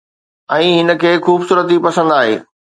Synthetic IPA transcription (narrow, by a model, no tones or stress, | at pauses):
ɛ̃ːɦɪnə̆kʰeːxuːbsuːɾət̪̬ipɐsə̃nd̪aːɦḛː